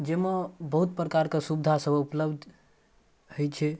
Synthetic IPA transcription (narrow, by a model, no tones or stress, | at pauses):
d͡ʒemebəɦut̪̚pɾəkaɾkesubd̪ʱasəbupləbd̪ʱ | hojt͡ʃʰɛ